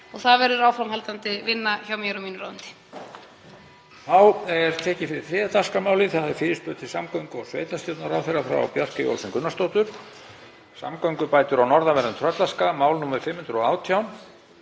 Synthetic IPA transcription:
ɔɣθaðvɛɾʏɾaːwfɾamhalt̪ant̪ɪvɪnːaçawmjɛɾʏmiːnʏɾa̰wnt̪ɪ̥ | θawɛɾ̥t̪ʰɛːcɪfɪɾɪ̥θɾɛːt̪askamaːwlɪθaaðɪfɪːɾɪsp̪ʏːt̪ʰɪlsamkœɥŋkʏɔsvḛːjt̪ast̪owt̪naɾaːwθɛrːafɾa̰wpjar̥kɪjo̰lsɪnŋkʏnːast̪owt̪ʏɾ̥ | sa̰mkœɥŋkʏpaːjt̪ʏɾawnɔɾðavɛɾʏnt̪ʰɾœt̪laskamaːwlnuːmaʏ̥fɪmhʏnd̪ɾɔaːwt̪ʰjawn

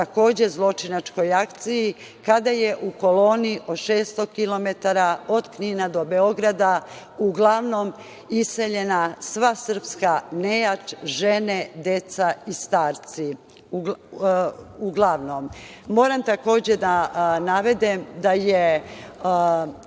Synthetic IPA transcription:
t̪ako̞ːd͡ʑe̞zlˠo̞t͡ʃinat͡ʃko̞jakt̪siji | kad̪ajeʔuko̞lo̞ːniiʔoʃeːst̪o̞kilo̞met̪aɾao̞d̪kninad̪o̞be̞o̞ɡɾad̪a | uɡlˠaʋno̞m | ise̞ʎe̞nasʋasr̩pskanejat͡ʃʒened̪e̞t̪saist̪aːɾt̪si | uɡlˠaʋnomːo̞ːɾamt̪ako̞ːd͡ʑed̪anaʋe̞d̪imd̪aje

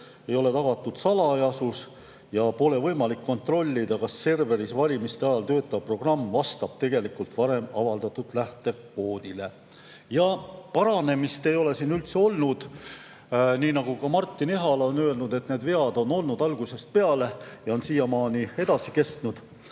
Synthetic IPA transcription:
e̞jo̞le̞t̪ɑɡ̥ɑt̪ːˑud̪̥sɑlɑjɑsus | jɑpo̞le̞vɤjmɑlikːo̞nt̪ro̞lʲːid̪̥ɑkɑsːe̞rve̞ɾisvɑlʲimist̪eɑjɑlt̪ø̞ːt̪ːˑɑpro̞ɡ̥rɑmːvɑst̪ɑb̥̚t̪e̞ɡ̥e̞likult̪vɑɾe̞mɑvɑld̪ɑt̪ːˑut̪læht̪e̞ | ko̞ːd̪̥ile̞ | jɑpɑɾɑne̞mist̪e̞jo̞le̞siːnylt̪seo̞lnud̪̥ | niːnɑɡ̥ukɑmɑrt̪ˑːine̞ɦɑlonøe̞lnud̪̥e̞t̪ne̞ːd̪ve̞ɑd̪o̞no̞lnud̪ɑlɡ̥use̞st̪̚pe̞ɑle̞jɑo̞nsiːjɑmɑːnie̞d̪̥ɑsike̞st̪nud̪̥

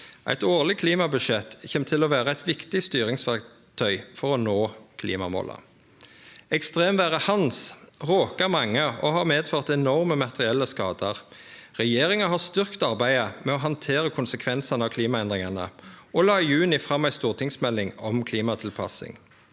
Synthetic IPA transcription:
ʔæ̰ɪt̪oːʁlɪkʰliːmɑbʉʃɛt̪çɛmt̪ʰɪlɔʋæːʁəæɪt̪ʋɪkt̪ɪst̪yːɾɪŋsʋæʁk | t̪ʰœʏfɔʁɔnoːkʰlḭːmɑmo̰ːlə̰ | ɛkst̪ʁeːmʋæːʁəhɑnsʁoːkəmɑŋːəɔhɑːmeːd̪føːʁt̪ɛnɔʁməmɑt̪əʁɪɛlːəskɑːd̪əʁʁɛjeːʁɪŋəɦɑst̪ʏʁkt̪ɑʁbæɪəmɛɔɦɑnt̪ʰeːʁəkʰʊnsəkʰʋɛnsɑnəɑʋkʰliːmɑɛnd̪ʁɪŋɑnə̰ɔlɑːɪjʉːnɪfʁɑmæɪst̪uːʁt̪ʰɪŋsmɛlːɪŋɔmkʰliːmɑt̪ʰɪlpʰɑ̰sɪ̰ŋ

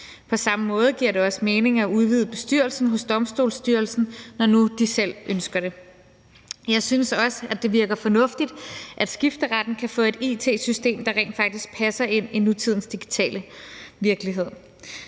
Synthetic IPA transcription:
pʰɒ̽sɑ̈məmɔ̽ːð̞̩ˠɡ̥iɐ̰ɾe̝ɒ̽səme̝ːne̝ŋæuð̞ˠʋið̞ˠb̥e̝sd̥yɐ̰lsn̩ɦɔ̽sd̥ɒ̽msd̥o̝̰ːlsd̥yɐlsn̩nɒnud̥isel̰ʔønsɡ̥ɐɾ̥e̝ | jɑ̈ɪsynsɒ̽səæd̥e̝ʋiɐɡ̥ɐfɒ̽nɔ̽fd̥id̥ʔæd̥sɡ̥ifd̥əʁɑd̥n̩kʰæfɔ̰̽ːe̝d̥ḭt͡sʰe̝̰ːsysd̥e̝̰ːmd̥ɑ̈ʁɛ̰ɪ̰nd̥fɑ̈ɡ̥̚d̥isɡ̥̚pʰæsɐe̝n̰inut͡sʰið̞̰ˠn̩sd̥iɡ̥i̥t͡sʰɛ̰ːləʋiɐɡ̥liɦe̝ð̞̰ˠ

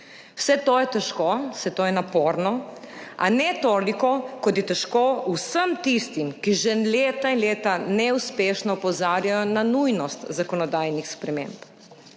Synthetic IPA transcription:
w̥sɛt̪oːjɛt̪ɛʃkosɛt̪oːjɛnapoːɾnɔ | ʔa̰nɛt̪oːlikɔkɔt̪jɛt̪ɛʃkoːusəmt̪ist̪imkiʒɛnleːt̪ainleːt̪anɛuspeːʃnɔːpɔzaːɾjajɔnanujnɔst̪zakɔnɔd̪aːjnixspɾɛmḛːmp

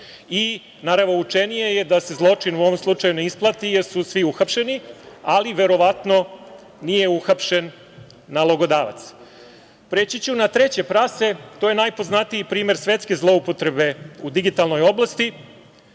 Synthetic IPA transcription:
i | naɾaʋnout͡ʂenije̞je̞d̪ase̞zlˠo̞t͡ʂinuo̞ʋo̞mslˠut͡ʂajuneisplˠat̪ijeɾsusʋiuxapʃe̞nialiʋe̞ɾo̞ʋat̪no̞ | nije̞uxapʃe̞nː | alˠoɡo̞d̪aːʋa̰t̪s | pɾet͡ɕit͡ɕunat̪ɾe̞t͡ɕe̞pɾase̞t̪o̞jenajpo̞znat̪ijipɾiːme̞ɾsʋet̪ske̞zlˠo̞upo̞t̪ɾe̞be̞ud̪iɡit̪alno̞jo̞blˠast̪i

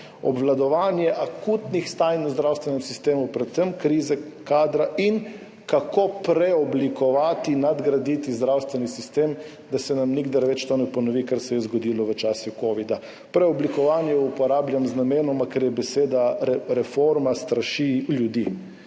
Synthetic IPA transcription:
ɔ̰bʋlad̪ɔʋaːnjɛʔakut̪nixst̪aːjnuzd̪ɾawst̪ʋɛnɛmsist̪eːmupɾɛt̪səmkɾiːzɛkaːd̪ɾaʔin | kakopɾɛɔblikɔʋaːt̪inad̪ɡɾad̪iːt̪izd̪ɾawst̪ʋɛnisist̪eːm | d̪asɛnamniɡd̪aɾʋɛt͡ʃt̪onɛpɔnɔʋikaɾsɛjɛzɡɔd̪iːlɔʋət͡ʃaːsikoːʋid̪a | pɾɛɔblikɔʋaːnjɛupɔɾaːbljamznameːnɔmakɛɾjɛbɛseːd̪aɾɛfoɾmast̪ɾaʃiljud̪i

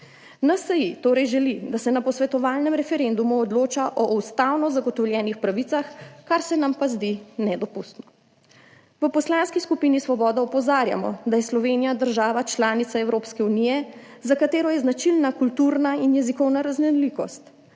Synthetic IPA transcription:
nasəjit̪oːɾɛjʒɛlid̪asɛnapɔsʋɛt̪ɔʋaːlnɛmɾɛfɛɾend̪umuɔd̪loːt͡ʃaʔɔwst̪awnɔzaɡɔt̪ɔwljɛːnixpɾaʋit̪saxkaɾsɛnampazd̪inɛd̪ɔpust̪nɔ | ʋəpɔslanskiskupinisʋɔbɔːd̪aɔpɔzaːɾja̰mɔ̰d̪ajɛslɔʋeːnijad̪əɾʒaːʋat͡ʃlaːnit̪saɛwɾoːpskɛunijɛzakat̪eːɾɔjɛznat͡ʃilnakult̪uɾnainjɛzikɔwnaɾaznɛnlikɔst̪

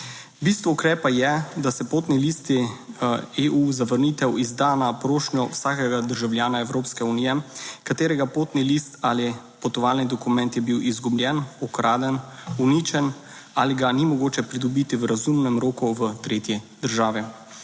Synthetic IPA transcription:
bist̪ʋɔukɾɛːpajɛd̪asɛpoːt̪nilist̪i | euzaʋəɾnit̪ɛwizd̪anapɾoːʃnjɔwsaːkɛɡad̪əɾʒawljaːnaɛwɾoːpskɛunijɛkat̪eːɾɛɡapoːt̪nilist̪ali | pɔt̪ɔʋaːlnid̪ɔkumɛ̃nt̪jɛbiwʔizɡublʲjɛnɔkɾʔaːd̪ɛnunit͡ʃɛn | aliɡanimɔɡoːt͡ʃɛpɾid̪ɔbit̪iwɾazumnɛmɾoːkuʋət̪ɾet̪jid̪əɾʒaːʋi

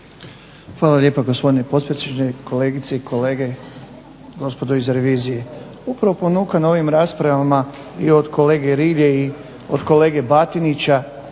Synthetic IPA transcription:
xʋaːlˠaljeːpaɡospo̞d̪inepo̞t̪̚pɾesed͡ʒnekʰo̞le̞ːɡit̪seikʰo̞leːɡe̞ | ɡo̞spo̞d̪oizɾe̞ʋiːzije̞ | upɾaʋopo̞nuːkanao̞ʋimɾaːspɾaʋama | io̞d̪kʰo̞le̞ːɡeɾiʎei | od̪ko̞le̞ːɡe̞bat̪init͡ɕa

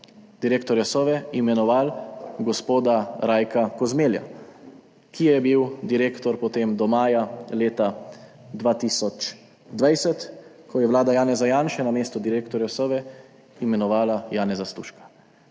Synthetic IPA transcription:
d̪̥iɾeːkt̪ɔɾjasɔʋɛimɛnɔʋaːlɡɔspoːd̪aɾaːjkakɔzmeːlja̰ | kijɛjɛbiwd̪iɾeːkt̪ɔɾpɔt̪eːmd̪ɔmaːjaleːt̪a | d̪ʋaːt̪isɔt͡ʃ | d̪ʋajsɛt̪ | kʰɔjɛwlaːd̪ajaːnɛzajaːnʃɛnameːst̪ɔd̪iɾeːkt̪ɔɾjasɔʋɛ | imɛnɔʋaːlajaːnɛzast̪ṵːʃkḁ

